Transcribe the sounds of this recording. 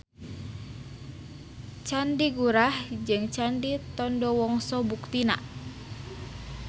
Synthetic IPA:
t͡ʃandiɡuɾahd͡ʒɨŋt͡ʃandit̪ɔndɔwɔŋsɔbukt̪ina̰

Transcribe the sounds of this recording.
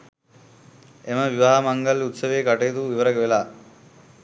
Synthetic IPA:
eməʋiʋaɦamaŋɡəlut̪səʋeːkaʈejːt̪uʋiʋəɾəkʋelaː

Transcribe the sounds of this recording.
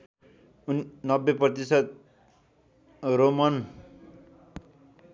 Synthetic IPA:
nnʌbːeprʌt̪isʌt̪̚ | romʌn

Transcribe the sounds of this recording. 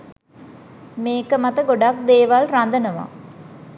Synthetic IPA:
meːkəmat̪əɡoɖak̚d̪eːʋalrand̪ənəʋa̰

